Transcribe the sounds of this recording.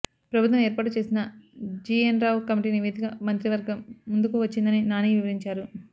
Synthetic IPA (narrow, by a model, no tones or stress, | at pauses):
pɾɐbʱut̪ʋɐmɛːɾpaːʈ̬ut͡ʃe̞ːsinɐd͡ʒiːenɾaːwkɐmiʈiːniʋeːd̪ikɐmɐnt̪ɾiʋɐɾɡɐmːund̪ukuʋɐt͡ʃːind̪ɐninaːniːʋiʋɐɾiɲt͡ʃaːɾu